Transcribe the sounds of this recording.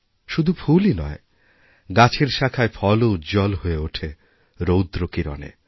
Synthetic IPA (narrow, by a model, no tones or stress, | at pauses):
ʃud̪ʱufʰulinɔe | ɡat͡ɕʰeɾʃakʰaefʰɔlod͡ʑɔlɦoeoʈʰe | ɾowd̪ɾokiɾɔ̰nḛ